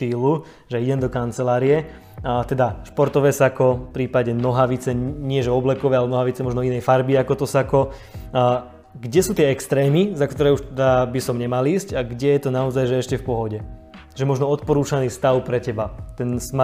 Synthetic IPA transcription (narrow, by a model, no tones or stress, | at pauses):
t̪iːlu | ʒɛiɟɛmd̪ɔkant͡sɛlaːɾijɛ | t̪ɛd̪aʃpɔɾt̪ɔʋɛːsakɔfpɾiːpaɟɛnɔɦaʋit͡sɛɲɪɛʒɛɔblɛkɔʋɛːalɛnɔɦaʋit͡sɛmɔʒnɔinɛjfaɾbiakɔt̪ɔsakɔ | ɡɟɛsuːt̪ɪɛɛkst̪ɾɛːmizakt̪ɔɾɛːuʃt̪ɛd̪abisɔmɲɛmaliːsɟaɡɟɛjɛt̪ɔnaɔzajʒɛɛʃcɛfpɔɦɔɟɛ | ʒɛmɔʒnɔɔt̪pɔɾuːt͡ʃaniːst̪aʊpɾɛcɛbat̪ɛnsm